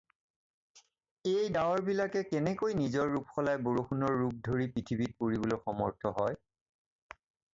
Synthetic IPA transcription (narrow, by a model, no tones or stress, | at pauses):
ejdawɔɹbilakɛkɛnɛkojnizɔɹːupxɔlajboɹoxunɔɹːup̚dʱoɹipɹitʰibit̚poɹibolojxɔmɔ̰ɹtʰɔɦɔj